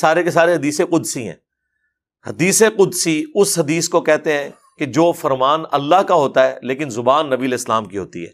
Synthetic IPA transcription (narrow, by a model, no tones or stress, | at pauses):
saːɾekes̬aːɾeɦɐd̪iːsẽqʊd̪siɦɛ̰̃ː | hɐd̪iːseqʊd̪siʊsɦɐd̪iːskokɛɦt̪eɦɛ̃ː | ked͡ʒoːfɐɾmaːnɐ̰lːaɦkaɦoːt̪aɦɛːleːkɪnzʊbaːnːɐbiəlɛːslaːmkiɦoːt̪ḭɦɛ̰ː